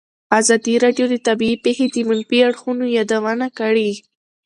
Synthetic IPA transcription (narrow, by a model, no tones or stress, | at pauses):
azɑd̪iɾɑɖjod̪ət̪abiipexed̪əmanpiaɽxunojɑd̪awanakaɽi